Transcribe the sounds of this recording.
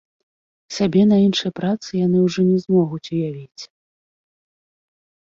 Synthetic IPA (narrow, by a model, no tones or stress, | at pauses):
sʲabʲɛnɐinʂɨjpɾat̪sɨjan̪ɨwʐɔnʲɛzmɔɣut͡sʲujavʲit͡sʲ